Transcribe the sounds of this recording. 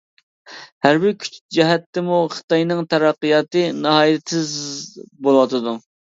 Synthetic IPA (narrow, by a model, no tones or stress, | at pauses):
hæɾbɪɾkʲʰy̥t͡ʃd͡ʒɛɦɛt̪ːɛmuχɨ̥t̪ɑjnɨŋt̪ʰɛɾɑqːɨjɑt̪ɨnɨɦɑːj̪ɪzbolˠwɑt̪ʰɨd̪u